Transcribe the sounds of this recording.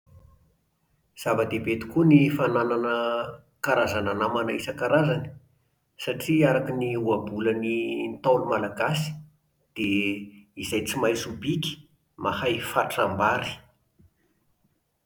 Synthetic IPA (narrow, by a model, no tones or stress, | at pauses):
z̥avad̪ebet̪u̥kunifanananə | kaɾazananamanaisəkaɾazani̥ | saʈ͡ʂiaɾakiniuabulənint̪alumalaɡasi̥ | d̪̥e | izajt͡simajsubiki̥ | mahajfaʈ͡ʂambaɾi̥